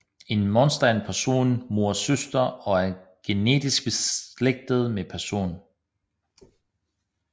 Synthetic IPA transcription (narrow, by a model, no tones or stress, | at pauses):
e̝nmɒnsd̥ænpʰæɐso̝̰ːnmo̝ɐ̰søsd̥ɐɒ̽æɐɡ̥e̝ne̝̰ːd̥isɡ̥̚b̥e̝sleɡ̥̚d̥əð̞̩ˠmepʰæɐso̝̰ːn